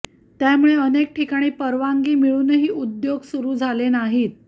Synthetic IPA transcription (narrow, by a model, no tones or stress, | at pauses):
jamuɭeənek̚ʈʰikaɽ̃iːpəɾʋaŋɡiːmiɭuːnəɦiːud̪joɡsuɾuːd͡zʱalenaɦiːt̪̚